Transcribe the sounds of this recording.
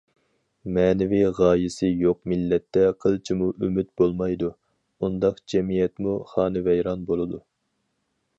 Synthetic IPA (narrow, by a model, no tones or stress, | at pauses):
mɛːnɪviʁɑːjɪsɨjoq̚milːɛt̪ːɛqʰəlˠt͡ʃʰimuʔymyt̪̚bolˠmɑjd̪u | und̪ɑqd͡ʒɛmijɛt̪muχɑːnɨvɛjɾɑnbolˠɨd̪u